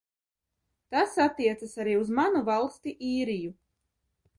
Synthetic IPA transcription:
t̪asat̪ːiɛt̪sasaɾiːuzmanuvalˠst̪iʔiːɾiju

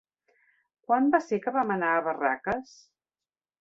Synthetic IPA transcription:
kwambasekəβamənaəβəra̰kəs

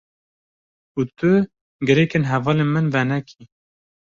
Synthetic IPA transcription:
uːt̪ʊ | ɡɨɾɛkenɦɛvɑːlenmɨnvɛnɛkʰi

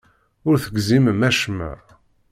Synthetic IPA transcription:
ʊɾθəɡziməmæʃmæ̰

